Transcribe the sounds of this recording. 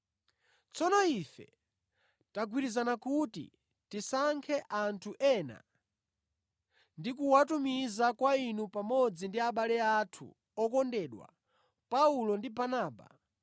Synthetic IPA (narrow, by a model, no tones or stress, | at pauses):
t͡sɔnɔifɛ̰ | taɡwiɾizanakutḭ | tisaŋkʰɛʔantʰuʔɛna̰ | ndikuwatumizakwainupamɔd͡zindiaɓalɛatʰṵ | ɔkɔndɛɗwa̰ | paulɔndibanaːba̰